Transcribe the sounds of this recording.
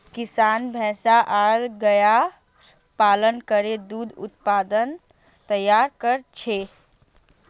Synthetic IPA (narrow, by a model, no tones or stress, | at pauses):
kisanbʱɛ̃saʔaɾɡəja | palənkəɾed̪ud̪ʱṵt̪pad̪ən | t̪əjaɾkəɾt͡ʃʰe